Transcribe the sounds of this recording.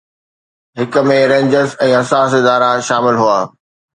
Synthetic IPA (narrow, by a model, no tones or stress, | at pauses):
ɦɪk̆mẽɾẽːɲd͡ʑəzɛ̃ːɦɐsaːs̬ɪd̪aːɾaʃaːmɪlɦuaː